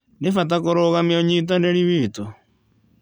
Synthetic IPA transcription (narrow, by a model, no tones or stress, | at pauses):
nefat̬akoɾoɣameoɲit̬aneɾiβiːto